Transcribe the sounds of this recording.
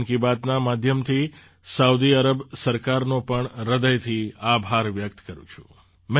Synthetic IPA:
ŋkibat̪namad̪ʱjəmt̪ʰi | saud̪iəɾəbsəɾkaɾnopəɳɾəd̪əjt̪ʰiabʱaɾʋjəkt̪kəɾṵ̃t͡ʃʰũ̥̰ | mɛ

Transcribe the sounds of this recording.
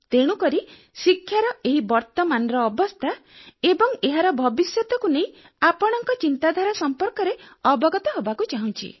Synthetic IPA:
t̪eɽ̃ukɔɾi | sikʰːjaɾɔeɦibɔɾt̪ɔmanɔɾɔːbɔst̪ʰaebɔŋeɦaɾɔbʱɔbisjɔt̪ɔkunej̃ | apɔɽ̃ɔŋkɔt͡ʃint̪ad̪ʱwaɾɔsɔmpɔɾkɔɾeɔbɔɡɔt̪ɔɦobakut͡ʃaɦũnt͡ʃʰḭ

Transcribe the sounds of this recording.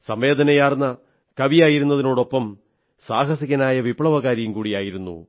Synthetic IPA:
sɐmʋe̞ːd̪ɐnɐjaːrnːɐ | kɐʋijaːjiɾunːɐðino̞ːɽo̞pːɐm | saːɦɐsiɣɐnaːjɐʋipɭɐʋɐɣaːɾijumkuːɽijaːjiɾunːṵ

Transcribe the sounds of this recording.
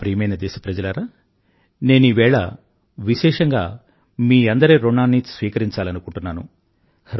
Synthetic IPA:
pɾiːmɐjnɐd̪ɛːʃɐ̥pɾɐd͡ʒɐlaɾaː | ne̞ːnuiʋɛːɭɐ̰ | ʋiʃɛːʂɐŋɡa̰ː | miːɐnd̪ɐɾeːɾoɳːaːnːisʋiːkɐɾiɲt͡ʃaːlɐnukuɳʈunːaːnṵ

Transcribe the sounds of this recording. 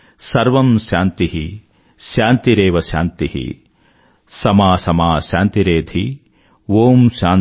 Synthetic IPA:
sɐɾʋɐmʃaːnt̪iɦi | ʃaːnt̪iɾeːʋɐʃaːnt̪ihḭ | sɐmaːsɐmaːʃaːnt̪iɾeːd̪ʱi | ʋoːmʃaːn

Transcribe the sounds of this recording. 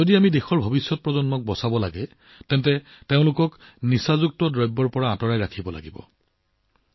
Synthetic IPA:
odiamidexɔɹbʱobisjɔt̚pɹɔzɔnmɔk̚bɔsabɔla̰ɡɛ | tɛntɛ | teʊ̃lʊkɔknisazuk̚tɔdɹɔjbːɔɹpɔɹaːtɔɹajɹakʰibɔla̰ɡibɔ̰

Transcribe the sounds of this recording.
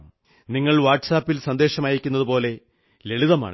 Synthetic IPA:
m | niŋːɐɭʋaːʈsaːpːilsɐnd̪e̞ːɕɐmaːjiɾikʲːunːɐðupo̞ːle̞ | le̞ɭiðɐma̰ːɳ

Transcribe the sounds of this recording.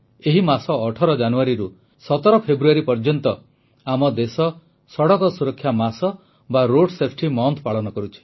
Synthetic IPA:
eɦimasɔːʈʰɔɾɔd͡ʒanuaɾiɾu | sɔt̪ɔɾɔpʰebɾuaɾipɔɾd͡ʒɔnt̪ɔ | amɔd̪esɔ | sɔɽɔkɔsuɾɔkʰːjamasɔ | baɾoɽsepʰʈimɔnt̪ʰpaɭɔnɔkɔɾut͡ʃʰi̥

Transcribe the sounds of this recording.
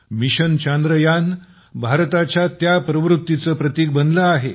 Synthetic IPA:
miɕənt͡ɕand̪ɾəjan | bʱaɾt̪at͡ɕjat̪japɾəʋɾut̪ːit͡səpɾət̪iːk̚bənləaɦe

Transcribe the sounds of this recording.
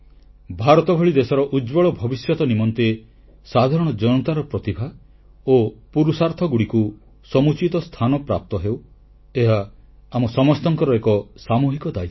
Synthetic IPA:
bʱaɾɔt̪ɔbʱɔɭid̪esɔɾɔʔud͡ʒbɔɭɔbʱɔbisjɔt̪ɔnimɔnt̪e | sad̪ʱaɾɔɽ̃ɔd͡ʒɔnɔt̪aɾɔpɾɔt̪ibʱa | opuɾusaɾt̪ʰɔɡuɽiku | sɔmut͡ʃit̪ɔst̪ʰanɔpɾa̰p̚t̪ɔɦew | eɦaːmɔsɔmɔst̪ɔŋkɔɾɔekɔsamuɦikɔd̪aj

